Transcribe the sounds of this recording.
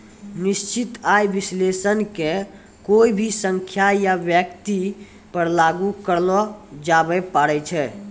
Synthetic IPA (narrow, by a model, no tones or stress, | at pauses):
nist͡ʃit̪ajbislesənke | koibʱisə̃ŋkʰjajabjəkt̪i | pəɾlaɡukəɾlɔd͡ʒabɛpaɾɛt͡ʃʰɛ